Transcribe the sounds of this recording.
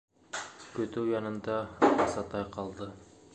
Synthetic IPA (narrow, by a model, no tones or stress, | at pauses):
kʲɵt̪yjɑnɯnd̪ɑɑsɑt̪ɑjqʰɑlˠd̪ə